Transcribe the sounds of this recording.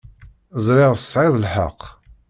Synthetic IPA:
zˤɾɪʁsʕɪðˤlħə̰qː

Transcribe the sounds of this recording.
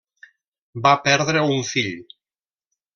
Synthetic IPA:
bapɛɾðɾeuɱfiʎ

